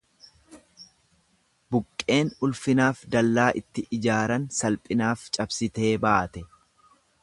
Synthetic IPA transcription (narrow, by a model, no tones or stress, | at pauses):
bʊkʼːe̞ːnʊlfɪnaːfd̪ɐlːaːʔɪt̪ːɪʔɪd͡ʒaːɾɐnsɐlpʼɪnaːft͡ʃʼɐbsɪt̪e̞ːbaːt̪ɛ